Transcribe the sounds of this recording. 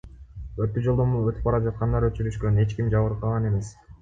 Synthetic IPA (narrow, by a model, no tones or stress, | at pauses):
øɾt̪ːyd͡ʒolˠd̪omuøt̪y̥p̚ɑɾɑd͡ʒɑt̪̚qɑnd̪ɑɾøt͡ʃyɾyʃkøne̞t͡ʃkimd͡ʒɑβɯɾqʰɑlˠʁɑne̞me̞s